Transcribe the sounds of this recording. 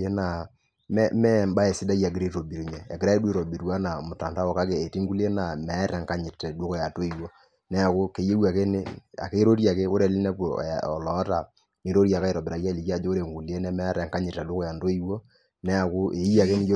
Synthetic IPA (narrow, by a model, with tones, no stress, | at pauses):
e˦na˨ | mɛ˦mɛ˦˨mba˦e˨sɪ˦da˦ja˨ɡɪ˦ɾe˦ɾo˨bi˨ɾi˨ɲɛ˨ɛ̰˨ɡɪ˦ɾa˦dwe˦ɾo˨bi˨ɾwa˦na˨mʊ˨ta˨nta˦wɔ˨ka˦ke˨e˨ti˦ŋɡu˦le˦na˨mɛ˨a˦ɾɛ˨ŋka˦ɲɪ˨tɛ˨dwe˦ko˨ja˨to˦i˨wo˦ | nɛ˦a˨kʊ˦ke˨˦je˦wa˨ke˦ne˦a̰˨ke˦ɾo˦ɾja˨ke˦ko˦ɾe˨li˦nɛ˦po˨ɔ˨lɔ˨˦ta˨ | ni˨˦ɾo˦ɾja˨ka˦e˨ɾɔ˨bɛ˨ɾa˨ja˦˨li˨ka˦˨d͡ʒo˦o˦ɾe˨ŋɡu˨le˦nɛ˦mɛ˦ɾɛ˨ŋka˦ɲɪ˨ta˨dwo˦ko˦ja˨ndo˦i˦wo˦ | nɛ˦a˨kʊ˦e˨i˦ja˨ke˦ni˦jo˦